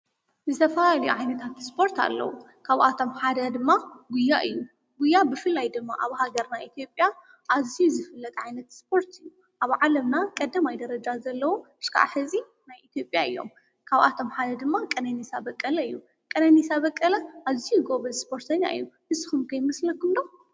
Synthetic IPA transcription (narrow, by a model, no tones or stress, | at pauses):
zɨt̪ʰɐfɐlalɐjuʕajnɐt̪ʰat̪spʰo̞ɾt̪ʰa̰lːɐ̰wu | kʰaβʔat̪ʰo̞mħad̪ɐd̪ɨmːaɡujːaʔɨjːu | ɡujːabɨfɨlːajd̪ɨmːa̰ʔaβhaɡɐɾnaʔit̪ʰijo̞pʼja | ʔazijuzɨfɨlːɐt̪ʼʕajnɐt̪sp̚ʰo̞ɾt̪ʰɨjːu | ʔaβʕalɐmnakʼɐd̪ːɐmajd̪ɐɾɐd͡ʒazɐlːɐwuɨʃkʰa̰ʔħɨzʼi | najʔit̪ʰijo̞pʼjaʔɨjːo̞̰m | kʰaβʔa̰t̪ʰo̞mħad̪ɐd̪ɨmːakʼɐnɐnisabɐkʼːɐlɐɨjːu | kʼɐnɐnisaβɐkʼːɐlɐʔaβzijuɡoβɐlspʰo̞ɾt̪ʰɐɲːa̰ʔɨ̰jːuhɨsɨxumkʰɐjmɐslɐkɨmd̪o